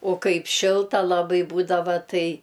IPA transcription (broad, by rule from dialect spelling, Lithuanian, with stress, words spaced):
oː ˈkɐɪp ˈʃʲɪlˠtɐ lˠɐˈbɐɪ ˈbuːdɐʋɐ ˈtɐɪ